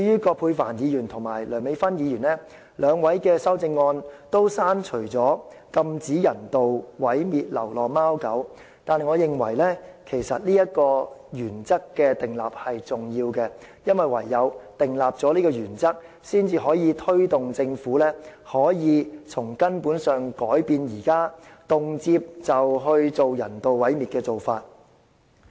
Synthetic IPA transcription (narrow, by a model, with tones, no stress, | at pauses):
ɵ˧jyː˥kɔː˧pʰuː˧jfaː˨˩njiː˨˧jyː˨˩nt̪ʰʊ˨˩ŋmaː˨˩jlœː˨˩ŋme˨˧˥jfɐ˥njiː˨˧jyː˨˩nɛː˥ | lœː˨˧ŋwɐ˨˥jkɛː˧sɐ˥wt͡sɪ˧ŋːɔː˧nt̪o˥wsaː˥nt͡ʃʰɵ˨˩t͡sɔː˨˥ | kɐ˧mt͡siː˨˥jɐ˨˩nt̪o˨wwɐ˨˥jmiː˨˧t̚lɐ̰˨˩wlɔː˨maː˥wkɐ˨˥w | t̪aː˨˧nhɐ˨jŋɔː˨˧jɪ˨ŋwɐ̰˨˩jlɛː˥kʰe˨˩jsɐ˨t̚liː˥jɐ˥t̚kɔː˧jyː˨˩nt͡sɐ˥kːɛː˧t̪ɪ˨ŋla̰ː˨p̚hɐ˨jt͡sʊ˨ŋjiː˧wkɛ˧ | jɐ˥nwɐ˨jwɐ˨˩jːɐ˨˧wt̪ɪ˨ŋlaː˨p̚t͡sɔː˨˥liː˥kɔː˧jyː˨˩nt͡sɐ˥k̚ | siː˥nt͡siː˧ɦɔː˨˥jiː˨˧t̪ʰɵ˥ɥt̪ʊ˨ŋt͡sɪ˧ŋfuː˨˥lɛː˥hɔː˨˥jiː˨˧t͡sʰʊ˨˩ŋkɐ˥npuː˨˥nsœː˨˩ŋkɔː˨˥jpiː˧njiː˨˩kaː˥t̪ʊ˨ŋt͡siː˧p̚t͡sɐ˨wɦɵ˧ɥt͡so˨wjɐ̰˨˩nt̪o˨wwɐ˨˥jmiː˨t̚kɛː˧t͡so˨wfaː˧t̚